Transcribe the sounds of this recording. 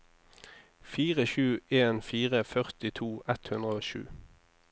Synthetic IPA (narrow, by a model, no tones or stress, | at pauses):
fiːʁəʃʉːʔeːnfiːʁəfœʁt̪ɪt̪ʰuːʔɛt̪hʉnd̪ʁəoːʃʉ̰ː